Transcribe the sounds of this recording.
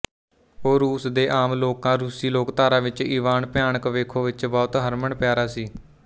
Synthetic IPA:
oːɾuːsd̪eːʔaːmloːkãːɾuːsiːloːkt̪aːɾãːʋɪt͡ʃiːʋaːnpjaːɳəkʋeːkʰõːʋɪt͡ʃbɔːt̪ɦəɾməɳpjaːɾaːsiː

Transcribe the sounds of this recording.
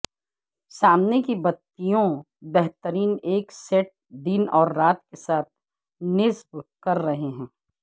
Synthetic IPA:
saːmnekibɐt̪ːijõ | bɛɦt̪əɾiːneːksɛʈ̚d̪ɪnɔːɾːaːt̪kesaːt̪̚ʰ | nɪsbkɐɾːɐɦeɦɛ̃ː

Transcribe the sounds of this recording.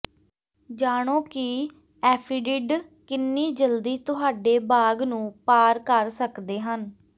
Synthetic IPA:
d͡ʒaːɽ̃õːkɪ | ɛːpʰiːɖɪɖkɪnːiːd͡ʒəld̪iːt̪ʊɦaːɖeːbaːɡnũːpaːɾkəɾsəkd̪eːɦən

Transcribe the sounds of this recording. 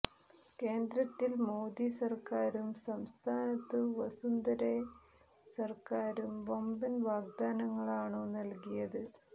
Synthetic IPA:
ke̞ːnd̪ɾɐt̪ːilmoːd̪isɐrkaːɾumsɐmst̪ʰaːnɐt̪ːɨʋɐsund̪ɐɾe | sɐrkaːɾumʋɐmbɐnʋaːɡ̚d̪aːnɐŋːɐɭaːɳoːnɐlkijɐðɨ

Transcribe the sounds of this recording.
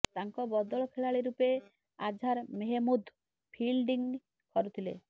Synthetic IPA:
t̪aŋkɔbɔd̪ɔɭɔkʰeɭaɭiɾupe | ad͡ʒʱaɾmeɦemud̪ | pʰilɖiŋ | kɔɾut̪ʰilḛ

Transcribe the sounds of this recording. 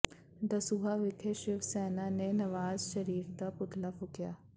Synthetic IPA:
d̪əsuːɦaːʋɪkʰeʃɪʋsɛːnaːneːnəʋaːzʃəɾiːɾd̪aːpʊt̪ʰlaːpʰʊkja̰ː

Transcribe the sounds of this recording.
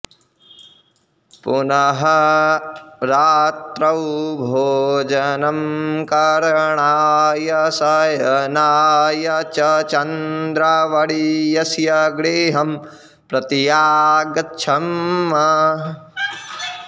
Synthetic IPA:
punɐɦɐ | ɾaːt̪ɾɐwbʱoːd͡ʒɐnɐmkɐɾɐɳaːjɐsɐjɐnaːjɐt͡ʃɐt͡ʃɐnd̪ɾaʋɐɽijɐsjɐɡɽeːɦɐm | pɾɐt̪ijaːɡɐtːt͡ʃʰɐmːɐ

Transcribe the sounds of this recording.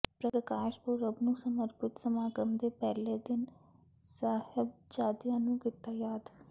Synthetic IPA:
pɾəɾəkaːʃpuɾəbnũːsəməɾpɪt̪səmaːɡəmd̪eːpɛːleːd̪ɪnsaːhɪb̚d͡ʒaːd̪ijãːnũːkɪt̪ːaːjaːd̪

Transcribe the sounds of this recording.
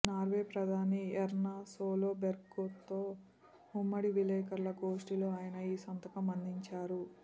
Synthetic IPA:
naːɾʋeːpɾɐd̪ʱaːniɛɾnaːsoːlo̞ːbeɾkːoːt̪ːoː | umːɐɽiʋilɛːkɐɾlɐkoːʂʈilo̞ːaːjɐnɐiːsɐnt̪ɐkɐmɐnd̪ʱiɲt͡ʃaːɾu

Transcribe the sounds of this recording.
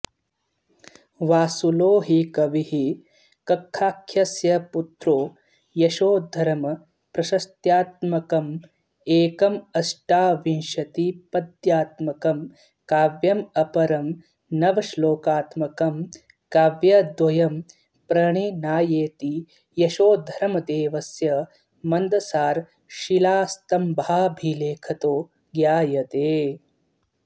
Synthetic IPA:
ʋaːsuloːɦikɐʋihi | kɐkʰːaːkʰːjɐsjɐput̪ɾoː | jɐʃoːd̪ʱɐɾɐmɐ | pɾɐʃɐst̪jaːt̪mɐkɐm | eːkɐmɐsʈaːʋinʃɐt̪ipɐd̪jaːt̪mɐkɐm | kaːʋjɐmɐpɐɾɐm | nɐʋɐʃloːkaːt̪mɐkɐm | kaːʋjɐd̪ʋɐjɐm | pɾɐɳinaːjeːt̪i | jɐʃoːd̪ʱɐɾɐmɐd̪eːʋɐsjɐ | mɐnd̪ɐsaːɾ | ʃilaːst̪ɐmbʱaːbʱileːkʰɐt̪oː | ɡjaːjɐt̪eː

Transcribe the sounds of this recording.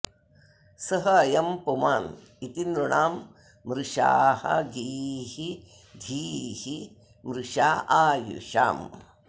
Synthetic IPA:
sɐɦɐɐjɐmpumaːn | it̪ind̪ɾuɳaːmː | ɾuʂa̰ːhɐ̰ɡiːhi | d̪ʱiːhi | mɾuʃaːʔaːjṵʃa̰ːm

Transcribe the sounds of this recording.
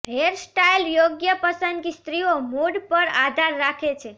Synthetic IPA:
ɦeɾsʈailjoɡjəpəsənd̪kist̪ɾiomuɖpəɾad̪ʱaɾːakʰet͡ʃʰe

